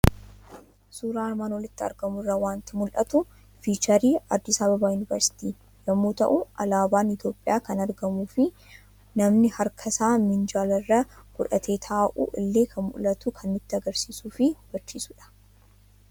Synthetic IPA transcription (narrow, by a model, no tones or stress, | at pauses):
suːɾaːɐɾmaːnwɔlɪt̪ːɪɐ̰ɾɡɐmʊrːɐwaːnt̪ɪmʊlʔɐt̪ʊ | fiːt͡ʃɐɾiːɐd̪ːɪsabɐbaːjʊnɪvɐɾsɪ̥t̪iː | jɐmːuːt̪ɐ̰ʔʊʔɐlaːbaːnɪt̪jo̞ːpʼːɪjaːkɐnɐɾɡɐmuːfɪ | nɐmnɪhɐɾkʰɐsaːmɪnd͡ʒaːlɐrːɐɡ̥ʊᶑɐt̪ʰe̞ːt̪ʰaːʔṵʔɪlːe̞ːkʰɐnmʊ̰lɐt̪ʊkʰɐnːɪt̪ːɪɐɡɐɾsiːsuːfɪb̥ɐɾt͡ʃːiːsʊᶑɐ̥